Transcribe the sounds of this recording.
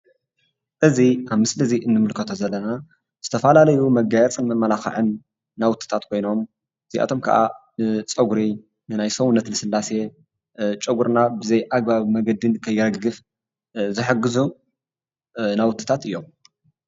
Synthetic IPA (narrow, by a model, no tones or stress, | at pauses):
ʔɨziaβmɨslɨziʔɨnːɨmɨlkʰɐt̪ʰozɐlːɐna | z̥ɨt̪ʰɐfɐlalɐjumɐɡajɛt͡sʼɨnmɐmːɐlaxɐ̰ʕɨnː | awʊt̪ʰʼːɨ̥t̪ʰat̪kʰo̞jno̞m | ɨziʔa̰t̪ʰo̞mkʰɐ̰ʔa̰nɨt͡sʼɐɡuɾi | nɨnajsɐwʊnːɐt̪nɨsɨlːase̞ | t͡ʃʼɨɡuɾnabɨzɐjʔaɡ̚baβmɐɡɐd̪ɨnkʰɐjːɪɾɐɡɨf | zɨħɨɡːɨzu | nawʊt̪ʰʼːɨ̥t̪ʰat̪ɨjːo̞m